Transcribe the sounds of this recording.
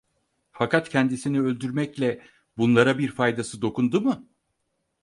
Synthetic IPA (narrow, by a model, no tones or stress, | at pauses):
fakʰat̪cʰɛnd̪isiniø̞lʲd̪yɾmɛclʲɛ | bunlˠaɾabiɾfajd̪asɯd̪o̞kʰund̪umɯ